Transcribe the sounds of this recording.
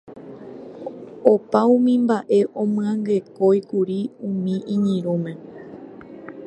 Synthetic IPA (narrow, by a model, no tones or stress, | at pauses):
opaũmĩmbaʔe̞ʔõmɨ̃ãŋɡe̞ko̞jkuɾiũmĩʔĩɲĩɾ̃ũmẽ̞